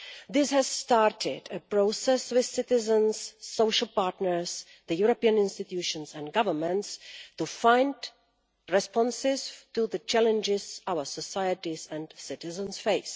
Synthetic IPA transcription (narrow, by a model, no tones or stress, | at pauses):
d̪ɪshæz̥sʈaːɾʈʰɪɖəpɾoːsɛsʋɪðsɪtɪzə̃nz̥ːoːʃəlˠpaːɾʈnəɾz | d̪əjuːɾopiə̃nɪ̃nstɪtjuːʃə̃nzæ̃nɖɡʌʋəɾmə̃nʈstufãɪ̃nɖ | ɾɛspɔ̃nsɪztud̪ət͡ʃælə̃nd͡ʒɪzaʊəsəsaɪəʈizæ̃ɳɖsɪtɪzə̃nsfeɪs